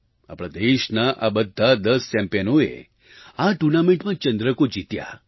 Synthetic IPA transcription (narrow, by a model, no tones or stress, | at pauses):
a̰pɽad̪eʃnaʔabəd̪ʱːad̪əst͡ʃɛ̃mpijənoḛ | aʈuɾnamẽɳʈmãt͡ʃə̃nd̪ɾəkod͡ʒit̪ja̰